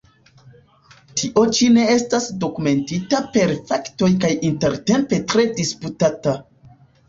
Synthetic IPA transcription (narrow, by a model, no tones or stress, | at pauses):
tʰiʔo̞t͡ʃine̞estasdo̞kume̞ntitape̞ɾfakto̞jkajinte̞ɾte̞mpe̞tɾe̞disputata